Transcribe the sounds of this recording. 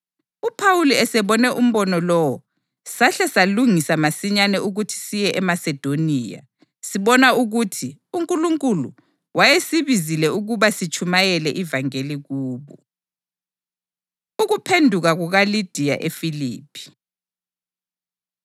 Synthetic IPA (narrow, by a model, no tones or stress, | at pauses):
upʰawuliɛsɛβɔnɛʔum̩βɔnɔlɔwɔ | saɬɛsaluŋisamasiɲanɛuɣutʰi̥sijɛʔɛmasɛd̥ʱoniːja̰ | siβɔnauɣutʰiuŋkʼuluŋkʼulṵ | wajesiβizilɛuɣuβasit͡ʃʼʰumajɛlɛʔivaŋeliɣuːβɔ | uɣupʰendʱuɣaɣuɣalid̥ʱija̰ʔefilḭːpʰi̥